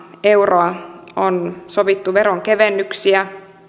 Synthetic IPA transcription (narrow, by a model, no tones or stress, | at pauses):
e̞wroɑonsoʋit̪ːuʋeɾoŋkeʋenːyksiæ